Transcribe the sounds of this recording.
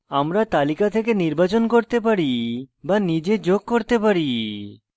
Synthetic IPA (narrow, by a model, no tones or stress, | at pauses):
amɾat̪alikat̪ʰek̬eniɾbat͡ɕonkoɾt̪ep̬aɾibanid͡ʑed͡ʑoɡ̚koɾt̪epaɾi